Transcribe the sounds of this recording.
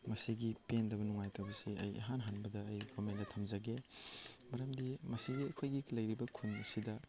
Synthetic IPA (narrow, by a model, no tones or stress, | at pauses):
mɐsiɡipendɐbɐnuŋajtawbɐsiɐ̰jḛɦanɦanbɐdɐːjɡomendɐtʰɐmzɐɡe | mɐɾɐmdimɐsiɡiɐkʰojɡilɐjɾibɐkʰunɐsidɐ